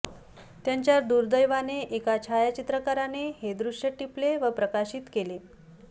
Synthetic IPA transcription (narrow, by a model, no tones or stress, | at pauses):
t̪jaɲt͡ɕjaɾd̪uɾd̪əjʋaneʔekat͡ɕʰajat͡ɕit̪ɾəkaɾanehed̪ɾuʂjəʈipleʋəpɾəkaɕiːt̪kele